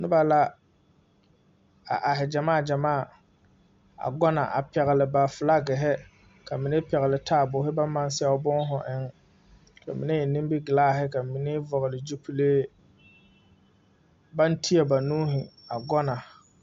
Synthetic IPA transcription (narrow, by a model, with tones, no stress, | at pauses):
nʊ˦ba˨la˦ | a̰˨ʔa˨ɦɪ˨d͡ʒa˨maː˦˨d͡ʒa˨maː˦˨ | a̰˨ɡɔ˦na̰˨ʔa̰˨pɛ˨ɣɪ˨lɪ˨ba˨fʊ˨la˦ɡɪ˨ɦɛ˦ | ka˨mi˨ne˦pɛ˨ɣɪ˨lɪ˨tʰaː˦˨bʊ˨˦ɦɪ˦ba˦mːa˦nsa˦ʊ˦bʊ˦ŋ˦ɦʊ˨ʔɪ˦ŋ | ka˨mɪ˨ne˦jɛ˨nɪ̃˦m˦bi˦ɡɪ˨laː˦ɦɪ˦ka˨mɪ˨ne˦vɔ˨ɣɪ˨lɪ˨d͡ʒu˦pi˦leː˦ | ba˦ntʰi˦a˨ba˨nũː˦ɦɪ˨a˨ɡɔ˦na˨